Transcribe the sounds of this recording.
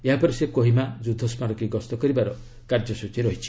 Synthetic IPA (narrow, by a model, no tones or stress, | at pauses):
eɦapɔɾisekoɦimad͡ʒud̪ʱɔsmaɾɔkiɡɔst̪ɔkɔɾibaɾɔ | kaɾd͡ʒɔsut͡ʃiɾɔɦit͡ʃʰi̥